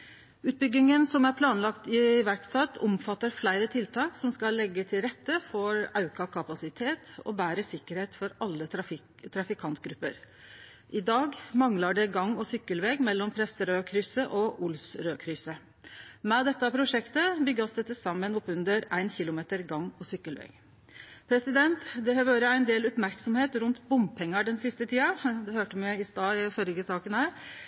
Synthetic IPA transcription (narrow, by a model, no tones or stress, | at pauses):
ʉːt̪̚bʏɡɪŋənsɔmæɾpʰlɑːnlɑkt̪ɪʋæɾkt̪sɛt̪ːʰʊmfɑt̪ːəɾflæɪɾət̪ʰɪlt̪ʰɑːksɔmskɑlːɛɡːət̪ʰɪlɾɛt̪ːəfɔɾɑʉkɑkʰɑpɑsɪt̪ʰeːt̪ɔ̰bæːɾəsɪkːəɾheːt̪fɔɾɑlːəfɪ | t̪ʰɾɑfɪkʰɑnt̪ɡɾʉpːə̰ɾ | ʔɪd̪ɑːɡmɑŋlɑɖɛɡɑŋːɔsʏkːəlʋeːɡmɛlːɔmpʰɾɛsəɾøːkʰɾʏsəʔɔʔʊlsɾøːkʰɾʏsə | mɛd̪ɛt̪ːɑpʰɾʊʂɛkt̪əbʏɡːɑsd̪ɛt̪ːəsɑmːənɔpːʉnd̪əɾæɪnçɪlʊmeːt̪əɾɡɑŋːɔsʏkːəlʋɛ̰ːɡ̥ | pʰɾɛsɪd̪ɛnt̪d̪ɛhɑʋøːɾəæɪnd̪eːlʊpmæɾksɔmheːt̪ɾʉnt̪bʊmpʰɛŋːəɖɛnsɪst̪ət̪ʰiːɑd̪ɛhøːʈəmɛɪst̪ɑːɪfɔlɡəsɑːkənhæːɾ